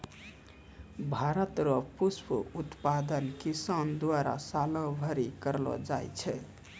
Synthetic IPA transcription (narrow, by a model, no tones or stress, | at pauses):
bʱaɾət̪ɾɔpuspʰuut̪pad̪ənkisand̪waɾa̰salɔbʱəɾikəɾlɔ̰d͡ʒajt͡ʃʰɛ